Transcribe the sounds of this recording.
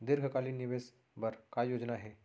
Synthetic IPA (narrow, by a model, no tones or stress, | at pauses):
d̪ɪɾɡʱəkaːlinɪʋeːs | bɐɾkajoːd͡ʒnaɦɛː